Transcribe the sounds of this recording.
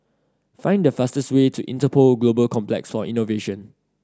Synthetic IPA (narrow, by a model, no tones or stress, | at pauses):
fãɪ̃ndəfastəstwetʰuʔḭ̃ntəpʰolɡlobəlkʰɔ̃mplɛ̰ksfɔʔĩnoveʃə̃n